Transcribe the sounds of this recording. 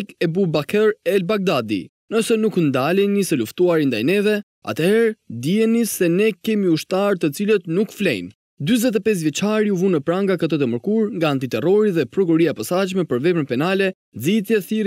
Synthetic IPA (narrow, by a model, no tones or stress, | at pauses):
kɛbubakʰɛɾɛlbaɡ̚d̪ad̪ḭ | nəsɛnuknd̪alɛnisɛluft̪uaɾind̪ajnɛvɛ | a̰t̪əhɛɾd̪iɛnisɛnɛkɛmiuʃt̪aɾt̪ət͡silət̪nukflɛ̰jn | d̪yzɛt̪ɛpɛs̬vjɛt͡ʃaɾiuvunəpɾaŋɡakət̪ət̪əməɾkuɾŋɡaːnt̪it̪ɛrɔɾiðɛpɾɔk̬uɾiaɛpasat͡ʃmɛpəɾvɛpənpɛnalɛ | d͡zit̪jɛθiɾ